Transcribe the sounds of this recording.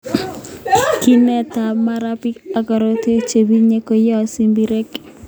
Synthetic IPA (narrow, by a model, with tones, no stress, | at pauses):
ki˦nɛ˦ta˨ma˦ɾa˦pɪ˦ka˨ɡɔ˨ɾo˦te˦t͡ʃe˨bi˦ɲe˦ko˦jɔ˦˨si˨mbi˨ɾe˦k